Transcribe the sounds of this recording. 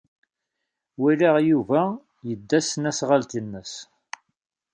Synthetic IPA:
wiliʁjuvæ | jəd̪ːæsənæsʁalt̪inːəs

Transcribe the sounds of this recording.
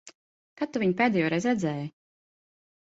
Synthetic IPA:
kat̪ːuvʲiɲpeːd̪ɛːjoːɾɛzɾɛzɛːj

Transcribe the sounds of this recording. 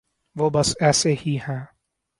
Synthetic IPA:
ʋoːbɐsɛːsehiɦɛ̃ː

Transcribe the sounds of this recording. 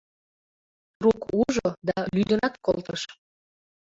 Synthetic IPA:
rukuʒod̪ɑlyd̪ənɑkkolˠt̪əʃ

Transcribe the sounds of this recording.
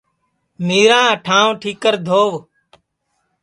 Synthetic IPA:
miːɾãːʈʰãːõːʈʰiːkəɾd̪ʱoːʋ

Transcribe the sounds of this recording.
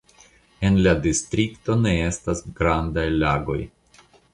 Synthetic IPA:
e̞nladistɾikto̞ne̞e̞stasɡɾandajlaɡo̞̰j

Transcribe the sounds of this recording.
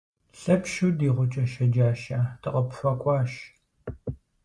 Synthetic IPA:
ɬɐpʃudiːʁʷʊt͡ʃʼɐʃɐd͡ʒaːʃaːtʰɨqʼɐpɕʷɐkʷʼɑːʃ

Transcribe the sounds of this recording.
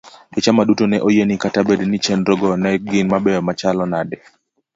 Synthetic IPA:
bɪt͡ʃamadutonɛʔojenikatabednit͡ʃɛnɾɔɡɔnɛɡɪnmabɛɔmat͡ʃalɔnadɛ

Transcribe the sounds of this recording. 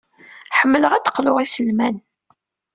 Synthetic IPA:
ħəmːələʁæt̪ːə̥qlʊʁisəlmæn

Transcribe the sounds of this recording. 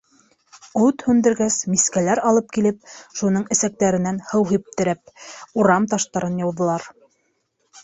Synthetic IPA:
ut̪hʉnd̪ɘ̆ɾɡæsmiskælæɾɑlˠɤp̚kilɘp̚ʃunɤɴɘ̆sæk̚t̪æɾɘ̆nænhɤwɦip̚t̪ɘ̆ɾæp̚uɾɑmt̪ɑʃt̪ɑɾɤnjɑwðɤ̆lˠɑɾ

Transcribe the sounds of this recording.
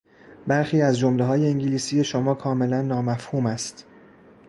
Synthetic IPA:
bæɾxiːæzd͡ʒomleɦɒːje̞iŋɟiliːsiːje̞ʃomɒːkʰɒːme̞lænːɒːmæfhuːmæst̪

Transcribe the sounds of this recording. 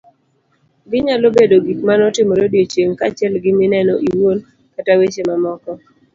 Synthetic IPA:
ɡɪɲalobedoɡikmanɔtɪmɔɾodiot͡ʃeŋkat͡ʃɛlɡɪmɪnɛnɔʔiwon | katawet͡ʃemamɔkɔ

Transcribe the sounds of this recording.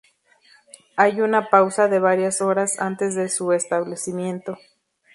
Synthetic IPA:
ajunapawsaðe̞βaɾjaso̞ɾasa̰nt̪e̞zðe̞sue̞st̪aβle̞simje̞nt̪o̞

